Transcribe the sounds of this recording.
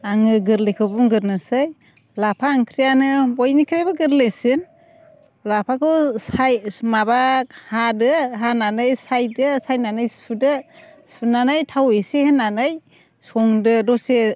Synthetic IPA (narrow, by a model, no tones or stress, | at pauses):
aŋɯɡɯɾlekʰɯbuŋɡɯɾnasɯj | lapʰaːŋkʰɾijanɯbɔjnikʰɾebɯɡɯɾlesɯn | lapʰakʰɯwsajmabahadɯɦananɯjsajdɯsajnanɯjspʰɯdɯspʰɯnanɯjtʰawesehenːanɯj | sɔŋdɯdɔse